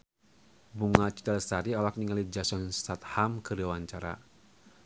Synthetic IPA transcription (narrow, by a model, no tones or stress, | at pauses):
buŋat͡ʃi̥t̪ɛlsaɾiɔlak̚niŋalid͡ʒasɔnsat̪hamkəɾiawaɲt͡ʃaɾa̰